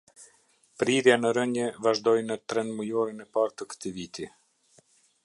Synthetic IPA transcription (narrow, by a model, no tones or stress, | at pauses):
pɾiɾjanəɾəɲɛvaʒd̪ɔjnət̪ɾɛnməjɔɾinɛpaɾt̪əkə̥t̪ivit̪i